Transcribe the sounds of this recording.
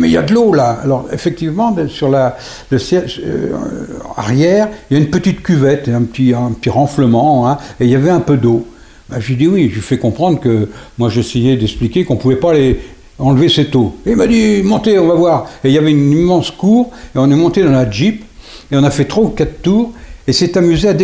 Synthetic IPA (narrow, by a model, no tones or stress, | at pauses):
mɛilja̰d̪lolaa̰lɔʁḛfɛk̚t̪ivmɑ̃d̪əsyʁla | ləsjɛl̰ | a̰ʁjɛːʁiljaynpət̪it̪kʲyvɛt̪eɛ̃pət̪ĩpət̪iʁɑ̃fləmɑ̃ɛ̃eljavɛɛ̃pød̪o | baʒɥid̪iwiʒifɛkɔ̃pχɑ̃d̪ʁkəmwaʒesejed̪ɛksplikʲekɔ̃puvɛpale | ɑ̃lvesɛt̪oeilmad̪imɔ̃t̪eɔ̃vavwaːʁeiljavɛynimɑ̃skuːʁeɔ̃nɛmɔ̃t̪ed̪ɑ̃laʒip | eɔ̃nafɛt̪χoukat̪t̪ːuːʁesɛt̪amyzead̪e